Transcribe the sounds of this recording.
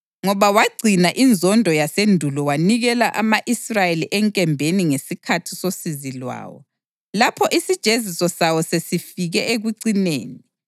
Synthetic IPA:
ŋɔβawaɡ͡ǀʱinaʔind͡zʱɔndʱɔjasendʱulɔwaniɣɛlaʔamaʔisrajeliʔɛŋkʼɛmbʱeniŋesikʰatʰi̥sosizilwa̰ːwɔ̰ | lapʰɔʔisid̥ʒ̥ʱezisɔsawɔsesifiɣɛeɣuǀinḛːnii

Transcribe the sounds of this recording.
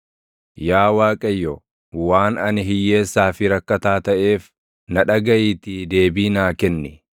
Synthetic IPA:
jaːwaːkʼɐjːɔ | waːnɐnɪɦɪjːe̞ːsːaːfɪɾɐkːɐt̪aːt̪ɐʔe̞ːf | nɐᶑɐɡɐʔiːt̪id̪e̞ːbiːnaːkɛnːɪ

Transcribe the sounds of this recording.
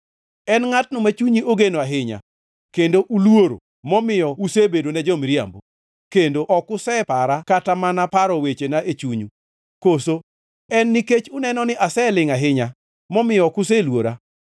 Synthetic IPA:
ɛnŋat̚nʊmat͡ʃuɲioɡenoaɦɪɲa̰ | kendoʔulwoɾo̰ | mɔmɪjɔusebedonɛd͡ʒɔmɾja̰mbo | kendoʔɔkʊsɛpaɾakatamanapaɾɔwet͡ʃenaʔet͡ʃuɲu | koso | ɛnːiket͡ʃʊnɛnɔnɪʔasɛlɪŋaɦɪɲa | mɔmɪjɔkʊselwoɾa

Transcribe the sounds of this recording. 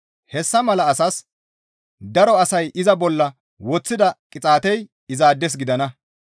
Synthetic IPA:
hɛsːɐmɐlɐːsɐs | d̪ɐɾɔɐsɐjʔɪzɐbɔlːɐ | wɔt͡sːɪd̪ɐkʼɪt͡sʼaːt̪ɛj | ɪzaːd̪ːɛs̬ɡɪd̪ɐnɐ

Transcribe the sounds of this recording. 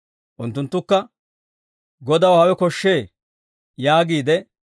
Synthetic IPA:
ʔʊnt̪ːʊnt̪ːʊkːɐ | ɡɔd̪ɐwhɐwɛkɔʃːe̞ː | jaːɡiːd̪ɛ

